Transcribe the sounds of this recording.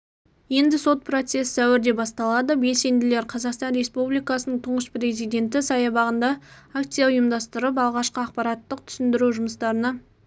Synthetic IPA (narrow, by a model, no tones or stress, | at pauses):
je̞nd̪ɪso̞t̪̚pʰro̞t̪se̞ssæwɪɾd̪e̞bɑst̪ɑlˠɑd̪əbe̞lse̞nd̪ɪle̞ɾqʰɑzɑqst̪ɑnɾe̞spublijkɑsənəɴt̪ʰʊɴəspɾe̞zijd̪ʲe̞nt̪̬ɪsɑjɑbɑʁənd̪ɑakt̪sijaʊjəmd̪ɑst̪əɾəp̬ɑlˠʁɑʃqəɑq̚pɑɾɑt̪ːəq̚t̪ʰʏ̥sɪnd̪ɪɾuʒʊməst̪ɑɾənɑ